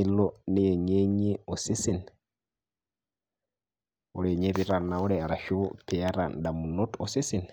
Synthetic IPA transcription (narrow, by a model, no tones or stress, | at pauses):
ilɔnijɛɲeɲiɔsisin | ɔɾɛɲɛβiɾanaɔɾɛaɾaʃopʰɛaɾa̰ndamunɔtɔsisin